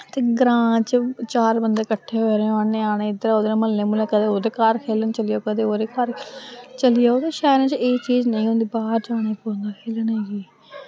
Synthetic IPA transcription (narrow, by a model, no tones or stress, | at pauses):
t̪eːɡɾãːt͡ʃt͡ʃaːɾbənd̪eːkəʈʰːeːɦoɾẽanẽːaːɽẽːɪd̪əɾaːoːd̪nẽːməlːẽːmʊlẽːkəd̪eːoːd̪eːkaːɾkʰeːlənt͡ʃəlɪjaoːkəd̪eːoːɾeːkaːɾt͡ʃəlɪjaːoːt̪eːʃaːɾãːt͡ʃeːt͡ʃiːznəĩːɦõːnd̪iːbaːɾd͡ʒaːɽ̃ẽːpoːnd̪aːkʰeːləneːɡiː